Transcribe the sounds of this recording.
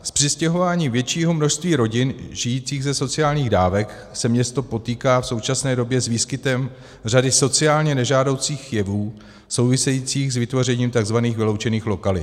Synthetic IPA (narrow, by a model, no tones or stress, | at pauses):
spr̝̥ɪscɛɦo̞vaːɲiːmvjɛt͡ʃiːɦo̞mno̞ʃst̪viːɾo̞ɟɪnʒɪjiːt͡siːɣzɛso̞t͡sɪaːlɲiːɣdaːvɛk | sɛmɲɛst̪o̞po̞t̪iːkaːfso̞wt͡ʃasnɛːdo̞bjɛzviːskɪt̪ɛm | r̝adɪso̞t͡sɪaːlɲɛnɛʒaːdo̞wt͡siːxjɛvuː | so̞wvɪsɛjiːt͡siːxzvɪt̪vo̞rɛɲiːmt̪aɡzvaniːxvɪlo̞wt͡ʃɛniːxlo̞kalɪ̰